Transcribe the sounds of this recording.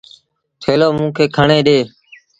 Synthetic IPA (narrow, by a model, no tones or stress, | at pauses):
t̪ʰeːloːmũːkʰeːkʰəɳeːɗeː